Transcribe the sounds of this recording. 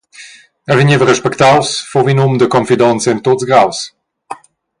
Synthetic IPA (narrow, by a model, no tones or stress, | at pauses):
ɛviɲevəʁəʃpəkt̪awsfovinumd̪əkɔnfid̪ɔnt͡sɛnt̪ot̪zɡɾaws